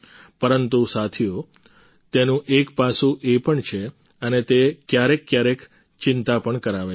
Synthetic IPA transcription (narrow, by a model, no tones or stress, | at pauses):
pəɾənt̪usat̪ʰio | t̪enũʔekpasũʔepəɳt͡ʃʰe | ənet̪ekjaɾekːjaɾek | t͡ʃɪnt̪apəɳkəɾaʋe